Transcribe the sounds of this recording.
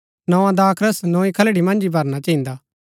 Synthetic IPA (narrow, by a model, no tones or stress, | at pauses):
nɔ̃ãd̪aːkʰɾəsnɔ̃ːĩkʰɐlɽimɐ̃nd͡ʒibʱɐɾnat͡ʃɐɦĩːnd̪aː